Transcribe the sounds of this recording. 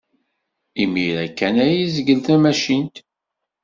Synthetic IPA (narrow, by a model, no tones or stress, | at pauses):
imiɾækːænæjizəɡəlθæmæʃint̪